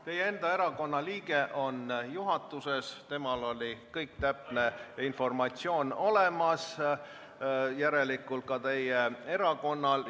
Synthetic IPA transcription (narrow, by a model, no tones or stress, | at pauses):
t̪e̞jee̞nd̪̥ɑe̞ɾɑko̞nːɑliːɡe̞ʔo̞njuɦɑt̪ːˑuse̞st̪e̞mɑlo̞lʲikɤjkt̪æpne̞info̞rmɑt̪sio̞ːno̞lemɑs | jæɾe̞likːult̪̚kɑt̪e̞jee̞ɾɑko̞nːɑl